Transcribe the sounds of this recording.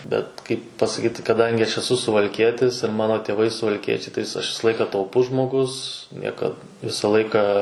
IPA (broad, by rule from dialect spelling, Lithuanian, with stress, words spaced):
bʲɛt kɐɪp pɐsɐˈkʲiːt kɐˈdɐŋʲɡʲɪ ɐʃ ɛˈsʊ sʊʋɐlʲˈkʲiɛtʲɪs ɪr ˈmɑːnoː tʲeːˈʋɐɪ sʊʋɐlʲˈkʲiɛt͡ʃʲɛɪ tɐɪ ɐʃ ˈʋʲɪsɐ ˈlˠɐɪkɐ tɐʊˈpʊs ʒmoːˈɡʊs ˈnʲiɛkɐt ˈʋʲɪsɐ ˈlˠɐɪkɐ